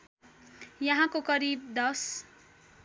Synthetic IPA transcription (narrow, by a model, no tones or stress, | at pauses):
jʌɦãkokʌɾib̚d̪ʌs